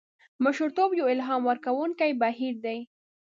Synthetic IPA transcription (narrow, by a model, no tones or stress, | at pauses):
mʊʃʊɾt̪objoɪlɦɑmwəɾkawuŋkajbaɦiɾd̪aj